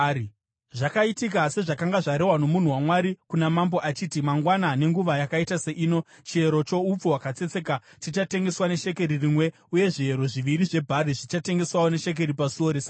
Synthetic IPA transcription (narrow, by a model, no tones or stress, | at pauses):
i | ʐakaitikase̞ʐakaŋɡaʐaɾe̞wano̞mun̤uwamwaɾikunamambo̞ʔat͡ʃiːtimaŋɡwanane̞ŋɡuʋajakaitase̞ʔiːno̞ | t͡ʃieɾo̞t͡ʃo̞up͡fowakat͡se̞t͡se̞katit͡ʃate̞ŋɡe̞swane̞ʃe̞ke̞ɾiriːmwe̞ | uje̞ʐieɾo̞ʐiʋiɾiʐe̞bʱariʐit͡ʃate̞ŋɡe̞swawone̞ʃe̞k̬e̞ɾipasioɾeːsa